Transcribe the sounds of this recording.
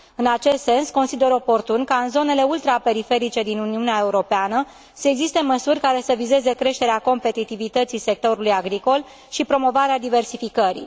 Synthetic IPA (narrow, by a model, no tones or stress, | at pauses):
ɨnat͡ʃe̞st̪se̞nsko̞nsid̪e̞ɾo̞po̞rt̪unkaɨnzo̞ne̞le̞ult̪ɾape̞ɾife̞ɾit͡ʃe̞d̪inuniuneae̞uɾo̞peanə | səeɡzist̪e̞məsurʲkaɾe̞səvize̞ze̞kɾe̞ʃt̪e̞ɾeako̞mpe̞t̪it̪ivit̪ət̪sise̞k̚t̪o̞ɾulujaɡɾiko̞l | ʃipɾo̞mo̞vaɾead̪ive̞rsifikəɾḭ